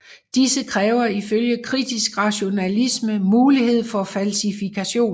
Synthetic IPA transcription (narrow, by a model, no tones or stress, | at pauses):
d̥isəkʰʁɛːʊɐiføljəkʰʁid̥isɡ̥ʁɑ̈ɕo̝nælisməmuːlihe̝ð̞̰ˠfɒ̽fælsifikʰæɕo̝̰ːn